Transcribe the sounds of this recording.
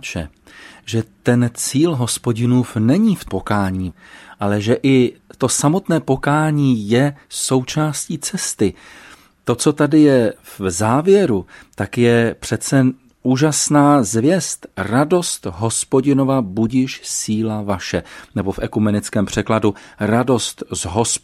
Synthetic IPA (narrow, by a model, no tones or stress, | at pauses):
t͡ʃɛ̰ | ʒɛt̪ɛnt͡siːlɦo̞spo̞ɟɪnuːfnɛɲiːfpo̞kaːɲiː | ʔalɛʒɛʔɪt̪o̞samo̞t̪nɛːpo̞kaːɲiːjɛso̞wt͡ʃaːsciːt͡sɛst̪ɪ | t̪o̞t͡so̞t̪adɪjɛvzaːvjɛɾut̪akjɛpr̝̥ɛt͡sɛ | uːʒasnaːzvjɛst̪rado̞st̪ɦo̞spo̞ɟɪno̞vabuɟɪʃsiːlavaʃɛnɛbo̞fʔɛkumɛnɪt͡skɛːmpr̝̥ɛkladuɾado̞st̪zɦos